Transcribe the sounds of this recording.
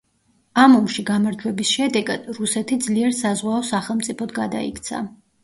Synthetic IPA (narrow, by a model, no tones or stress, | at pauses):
amɔmʃiɡamaɾd͡ʒwɛbisʃɛd̪ɛɡad̪̥ɾusɛt̪ʰid̪zliɛɾsazʁwaɔsaχɛlˠmt̪sʼipʰɔd̪ɡad̪a̰ḭkʰt̪sʰa̰